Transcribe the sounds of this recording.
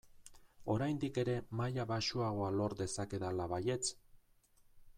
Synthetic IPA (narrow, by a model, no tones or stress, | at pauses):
o̞ɾajnd̪ike̞ɾe̞majaβaʃuaɣ̞o̞alo̞ɾd̪e̞sake̞ðalaβaje̞t͡s